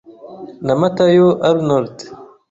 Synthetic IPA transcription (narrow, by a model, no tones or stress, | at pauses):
nɐmɐt̪ajoʔɐɾnoɾt̪